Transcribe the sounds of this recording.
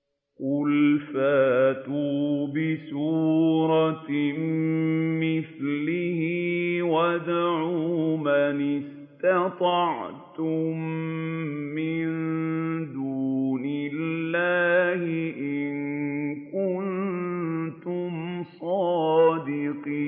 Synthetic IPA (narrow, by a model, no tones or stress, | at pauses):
qʊlfaːt̪uːbɪsuːɾˤɑmmɪθlɪhiwad̪ʕuːmanɪs | t̪ɑt̪ˤɑʕt̪ʊmː | ɪnd̪uːnɪlːaːhɪʔɪnkʊn | t̪ʊmsˤɑːd̪ɪqiː